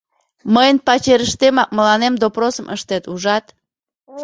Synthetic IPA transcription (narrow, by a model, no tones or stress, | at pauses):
məjənpɑt͡ɕeɾəʃt̪emɑk̚məlɑnemd̪oprosəmʔə̰ʃt̪et̪uʒɑt̪